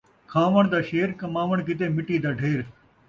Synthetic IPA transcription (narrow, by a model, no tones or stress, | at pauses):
kʰãːʋəɳ̃d̪aːʃeːɾkɐmaːʋəɳ̃kɪt̪eːmɪʈiːd̪aːɖʱeːɾ